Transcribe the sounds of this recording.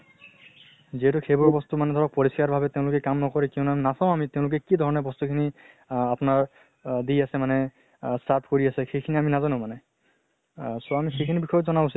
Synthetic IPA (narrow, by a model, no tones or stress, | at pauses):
ziɦɛtʊxʰebɔɹbɔstumanɛdʱɔɹɔk̚pɔɹiskaɹbʱabɛteʊ̃lʊkɛkamnɔkɔɹɛkiɔ̃ʊnaminasãʊ̃amiteʊ̃lʊk̬ɛkidʱɔɹɔnɛbɔstukʰini | apnaɹ | diasɛmanɛ | saɹpʰkoɹiasɛxejkʰiniaminazanʊ̃manɛ | sɔamixejkʰinibixɔjɔtzɔnawsi